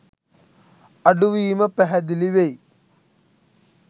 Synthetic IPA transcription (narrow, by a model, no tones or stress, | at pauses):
ɐɖuʋiːmɐpɐɦɐd̪iliʋej